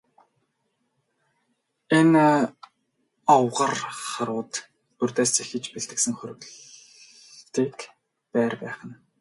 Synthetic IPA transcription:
en | ɔwʁərχaɾʊːt̪ | ɵr̥ʲt̪æːsexɘ̆t͡ɕpeɮt̪ɘ̆ksɘ̆ŋχɵɾɵ̆ɣɮ | t̪iːk | pæːrpæːχə̆n

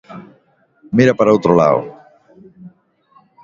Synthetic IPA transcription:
miɾapaɾowt̪ɾola̰o̰

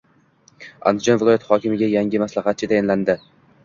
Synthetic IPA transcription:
a̰nd̪ɪd͡ʒɒnvɪlˠɒjat̪hɒkʲɪmɪɡʲajaŋɡʲɪmaslahat̪̚t͡ʃʰɪt̪ʰajɒnland̪ɪ

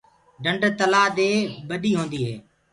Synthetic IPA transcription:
ɖəɳɖt̪əlaːd̪eːbəɗiːɦõːnd̪iːɦḛː

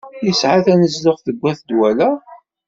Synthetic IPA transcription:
jəsʕaθænəzləʁθəɡʷːæθd̪wælæ

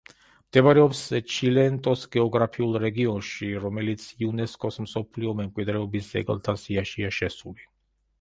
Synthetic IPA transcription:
md̪̥ɛvaɾɛɔpst͡ʃʰilɛnt̪ʼɔsɡɛɔɡɾapʰiulˠɾɛɡiɔnʃiɾɔmɛlit̪sʰiunɛskʼɔsmsɔpʰliɔmɛmkʼwid̪ɾɛɔbisd̪z̥ɛ̰ɡlˠt̪ʰasiaʃiaʃɛsuli

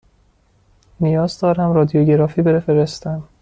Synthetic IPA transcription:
nijɒːzd̪ɒːɾæmɾɒːd̪ijoɟe̞ɾɒːfiːbeɾefeɾest̪æm

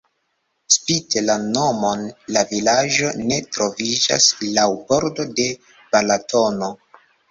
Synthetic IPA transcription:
spitelano̞mo̞nlavilad͡ʒo̞ne̞tɾo̞vid͡ʒa̰slawbo̞ɾdo̞de̞ | b̥alatʰo̞no̞

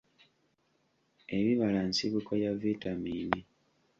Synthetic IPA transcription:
e̞βiβalansiβukajavitamiːni

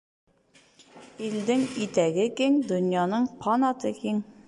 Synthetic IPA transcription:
ild̪ɘŋit̪æɡɘkiŋd̪ŏnjɑnɤɴpʰɑnɑt̪ɤkiŋ

